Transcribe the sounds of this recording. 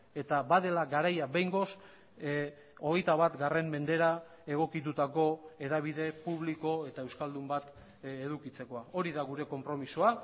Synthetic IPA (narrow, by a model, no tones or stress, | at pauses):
e̞t̪abaðe̞laɡaɾajabe̞jŋɡo̞s | o̞ɣ̞e̞jt̪aβat̪ɡare̞mːe̞nd̪e̞ɾa | e̞ɣ̞o̞kit̪ut̪ako̞e̞ɾaβ̞iðe̞puβliko̞e̞t̪ae̞wskald̪umbat̪ | eðukit͡se̞ko̞ao̞ɾiðaɣuɾe̞ko̞mpɾo̞misoa